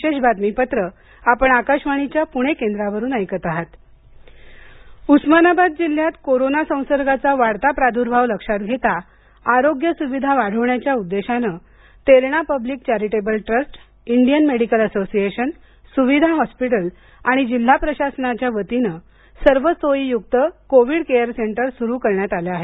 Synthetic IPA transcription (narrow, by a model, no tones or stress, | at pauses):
eɕbʱat̪mipət̪ɾə | apəɳakaɕmaɽ̃it͡ɕjapuɽ̃ekẽnd̪ɾaʋəɾuːnəjkət̪aɦat̪ | usmənabad̪̚d͡ʑil̤ːjat̪koɾonasə̃w̃səɾɡat͡saʋaɽt̪apɾad̪ʱuɾbʱaʋləkʂat̪ɡʱet̪a | aɾoɡjəsuʋid̪ʱaʋaɽ̤əʋɳjat͡ɕjaud̪ːeɕanəː | t̪eɾɳapəbliːk̚t͡ɕæɾiʈebəlʈɾəsʈ | iɳɖijənmeɽikələsosieɕən | suʋid̪ʱaɦɔspiʈ̬əl | aɽ̃id͡ʑil̤ːapɾəɕasənat͡ɕjaʋət̪inə | səɾʋət͡sojijuk̚t̪əkoʋiɽkejəɾseɳʈəɾsuɾuːkəɾɳjat̪aljaaɦe